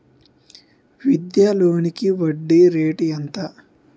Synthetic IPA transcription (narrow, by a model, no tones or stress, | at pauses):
ʋid̪jaːloːnikiʋɐɖːiɾeːʈijɐnt̪ɐ